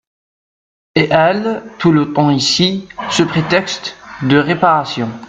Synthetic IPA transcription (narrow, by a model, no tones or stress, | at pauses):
eʔɛlt̪ulət̪ɑ̃isisəpχet̪ɛkst̪d̪əʁepaʁasjɔ̃